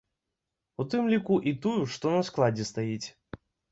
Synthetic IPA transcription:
ut̪ɨmlʲikuʔit̪ujuʂt̪ɔnɐsklˠad͡zʲɛst̪ajit͡sʲ

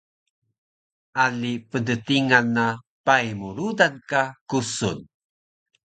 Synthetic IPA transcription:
alipəndətiŋanːa | pajmuɾudankakusṵn

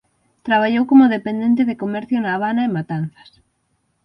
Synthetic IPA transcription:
t̪ɾaβ̞aʎowkomʊðepend̪ẽnt̪̬ɪðɪkomɛɾθjonaːβ̞anaemat̪an̟θɐ̥s

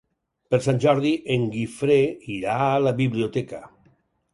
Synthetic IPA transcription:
peɾsanʲʒɔɾðiʔeŋɡifɾeiɾaːlaβiβliot̪ɛka

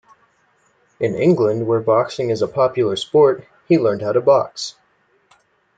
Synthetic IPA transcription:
ʔɨ̃nɪ̰̃ŋɡlə̃nd̚wə˞bɑksɪ̃ŋɨzəpʰɑpjl̩ˠə˞spɔɹt̚ | hilɜ̃˞nd̚haʊɾəbɑks

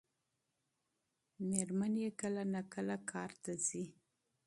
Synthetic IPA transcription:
meɾmanjekəlanakəlakʰɑɾt̪azi

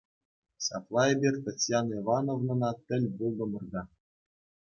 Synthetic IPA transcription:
ɕɑ̰plˠɑebʲerʲt̪ɑt͡sʲjɑnivɑnovnɤ̆nɑt̪ʲɘ̆lʲbulˠd̪ɤ̆mɤ̆rd̪ɑ

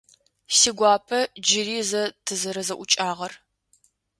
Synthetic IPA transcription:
siɡʷɑːpʰɐd͡ʒɪriːzɐtʰɨzɐɾɐzɐʔʷʊt͡ʃʼaːʁɐr

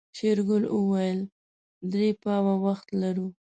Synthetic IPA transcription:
ʃeɾɡʊləwajəl | d̪ɾepɑwawaxt̪laɾu

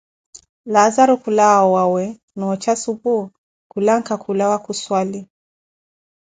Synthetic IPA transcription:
lazaɾukulawawawɛ | nɔːt͡ʃasupu | kulaŋkakʰulawakuswali

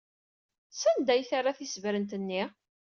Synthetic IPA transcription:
sænd̪æjθaraθisvɾənt̪ənːi

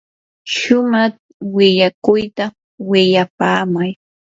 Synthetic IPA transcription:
ʃʊmaχ | wɪʎakʊjt̪a | wɪʎapaːmaj

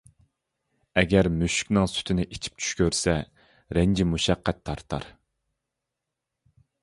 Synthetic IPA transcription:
ɛɡʲɛɾmyʃy̥kʲnɨŋsy̥t̪ʰɪnɪʔit͡ʃʰi̥p̚t͡ʃʰy̥ʃkʲøɾsɛ | ɾɛnd͡ʒimuʃɛqːɛt̪ʰːɑɾt̪ʰɑ̰ɾ

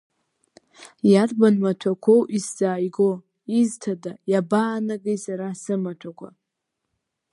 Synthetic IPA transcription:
jarbanmatʷʰakʷʰowʔisz̥aːjɡo | iztʰadajabaːnaɡejsaɾasɨmatʷʰakʷʰa̰

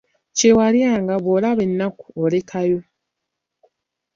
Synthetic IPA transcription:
cewaljaːŋɡaβolaβe̞nːaku̥ole̞kʰajo̞

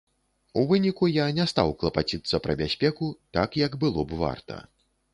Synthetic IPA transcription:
uvɨnʲikujanʲɛst̪a̰wklˠɐpat͡sʲit̪sːɐpɾɐbʲasʲpʲɛkut̪akjɐɡbɨlˠɔbva̰rt̪ɐ̰

